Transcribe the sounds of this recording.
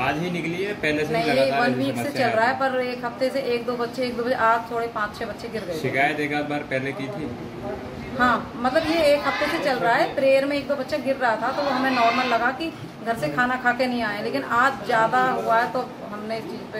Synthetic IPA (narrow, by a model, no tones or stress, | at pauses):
aːd͡ʒɦinɪkliepɛɦlesenɐɦĩĩbɐlbʱiːt̪set͡ʃɐlɾɐaɦɛpɐɾeːkɦɐft̪eseʔeːk̚d̪oːbɐtːʃeeːk̚d̪oːbd͡ʒeʔaːd͡ʒt̪ʰoːɽepãːt͡ʃt͡ʃʰeːbɐtːʃeɡɪɾɡəeʃɪkaːjət̪eːkaːt̪̚baːɾpɛɦlekiːt̪ʰi | ɦãːmɐt̪ləbjeːkɦɐft̪eset͡ʃɐlɾaɦɛːt̪ɾeːɾmẽeːk̚d̪oːbɐtːʃeɡɪɾɾɐɦat̪ʰat̪oʋoɦɐmẽnɔːɾməlːɐɡaki | ɡʱɐɾsekʰaːnakʰaːk̪enɐɦĩaːẽleːkɪnaːd͡ʒzjaːd̪aɦʊaɦɛt̪o | ɦɐmneɪst͡ʃiːzpe